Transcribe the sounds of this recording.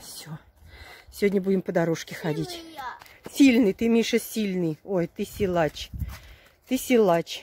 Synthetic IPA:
sʲo | sʲɪvʲodʲnʲəbudʲɪmpəd̪ɐɾoʂkʲɪxɐdʲitʲ | sʲilʲnɨjt̪ɨmʲiʂəsʲilʲnɨjojt̪ɨsʲɪlˠat͡ɕ | t̪ɨsʲɪlˠat͡ɕ

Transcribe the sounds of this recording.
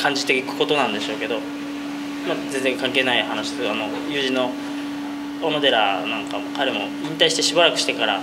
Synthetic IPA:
kʰãɲ̟d͡ʑit̪eikɯ̟̥ko̞t̪o̞nãnd̪e̞ɕo̞ːke̞d̪o̞ | mazẽ̞nd͡zẽ̞ŋkãŋke̞ːnaihanaɕi̥sano̞ | jɯ̟ːʑĩnːo̞ | onod̪e̞ɾanãŋkamokaɾe̞mo̞ | ĩnt̪aiɕi̥t̪eɕibaɾakɯ̟̥ɕi̥t̪e̞kaɾa̰

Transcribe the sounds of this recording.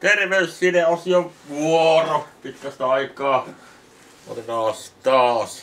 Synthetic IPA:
t̪erʋeyssineosjoʋuoropik̪ːɑst̪ɑɑikˑɑː | o̰linɑːst̪ɑːs

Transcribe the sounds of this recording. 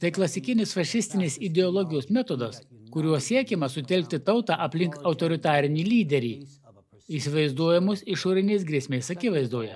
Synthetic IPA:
t̪ɐɪklˠɐsʲɪkʲɪnʲɪsfɐʃʲɪsʲt̪ʲɪnʲɪsɪd̪ʲɛɔlˠɔɡʲɪjoːsmʲɛæt̪od̪ɐskʊɾʲuɔssʲiɛkʲɛmɐsʊt̪ʲɛlʲk̚ʲt̪ʲɪt̪ɐʊt̪ɑːʔɐpʲlʲɪŋkɐʊt̪ɔɾʲɪt̪ɑːɾʲɪnʲiːlʲiːd̪ʲɛɾʲḭː | isʲɪʋɐɪzd̪uɔjɛmusɪʃoːɾʲɪnʲɛɪsɡɾʲiɛsʲmʲeɪsɐkʲɪʋɐɪzd̪uːjɛ

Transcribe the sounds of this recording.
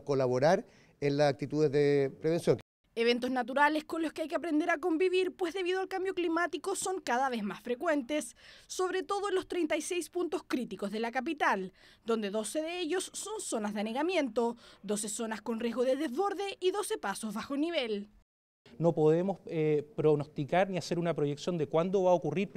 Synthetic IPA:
kolaβoɾaɾ | enlasak̚t̪it̪uðezðepɾeβensjoŋ | eβ̞e̞nt̪oznat̪̬uɾalesko̞nloskeajkeapɾe̞nd̪e̞ɾak̬o̞mbiβiɾpwe̞zðe̞βiðo̞alkambjo̞klimat̪ikoso̞ŋkaðaβ̞ezmasfɾekwe̞nt̪esːo̞βɾet̪o̞ðoenlost̪ɾejnt̪ajsejspunt̪o̞skɾit̪ikozðelakap̬it̪ald̪o̞nd̪eðo̞seðeeʎosːo̞nso̞nazðeaneɣamje̞nt̪od̪o̞sesonasko̞nrje̞zɣoðeðezβo̞ɾðeʔiðo̞sepasozβaxoniβ̞el | nopoðemosepɾoɣnost̪ikaɾniaseɾunapɾojeksjo̞nd̪ekwand̪oβaokuriɾ

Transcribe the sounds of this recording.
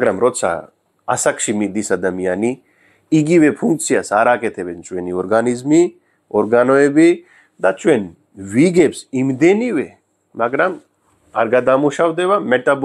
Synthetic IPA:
ɡɾamɾot̪sʰa̰ | ɐ̰sɐkʃimid̪isɐd̪ɐmijani | iɡiwepʰuŋkt͡sʰijasaːɾaket̪ʰebent͡ʃʼweniɔɾɡanizmi | ɔɾɡanoebi | d̪at͡ʃʼwen | ʋiɡebsimd̪eniʋe | maɡɾɐm | ɐ̰ɾɡad̪amuʃawd̪eʋameʈab

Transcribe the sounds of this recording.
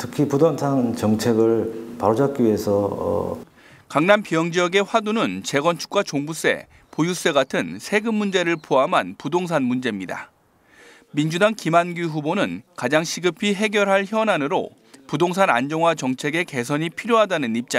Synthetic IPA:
tʰɯ̥kʰipudoŋsʰaŋt͡ɕʌŋt͡ɕʰeɡɯɭpaɾod͡ʑak̚k͈iiesʰʌ̰ | kaŋnanpijʌŋd͡ʑijʌɡe̞ɸwadunɯnt͡ɕe̞ɡʌnt͡ɕʰu̥k͈̚wat͡ɕoŋbus͈e̞̰ | pojus͈e̞ɡatʰɯnsʰe̞ɡɯmːund͡ʑe̞ɾɯɭpʰoamɦanpudoŋs̬ʰanmund͡ʑe̞mɲida̰ | mind͡ʑudaŋkimanɡuɦubonɯnkad͡ʑaŋɕʰiɡɯpʰiɦe̞ɡjʌɾɦaɭçjʌnanɯɾo̰ | pudoŋs̬ʰana̰nd͡ʑʌŋɦwat͡ɕʌŋt͡ɕʰe̞ɡe̞ke̞s̬ʰʌɲipʰiɾjoɦadanɯnip̚t͡ɕ͈a

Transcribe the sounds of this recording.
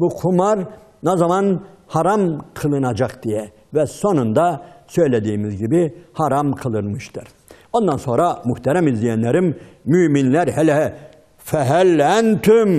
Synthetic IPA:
bukʰumaɾ | nozamanhaɾamkʰɯlˠɯnad͡ʒakd̪̥ijɛ | vɛso̞nund̪asø̞jlʲed̪iːmizɟibihaɾamkʰɯlˠɯnmɯʃt̪ʰɯɾ̥ | o̞nd̪anso̞nɾamyçt̪ɛɾæmizlʲijænlʲɛɾimːyːminlʲæɾhɛlɛ | fɛɦælænt̪ʰym

